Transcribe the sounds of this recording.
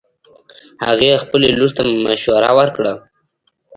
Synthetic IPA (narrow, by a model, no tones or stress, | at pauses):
ha̰ɣexpəleluɾt̪ammaʃwaɾa̰wəɾkɽa